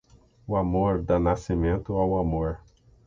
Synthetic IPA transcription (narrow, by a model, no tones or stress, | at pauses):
ʊamoɾd̪anasimẽnt̪ʊawamoɾ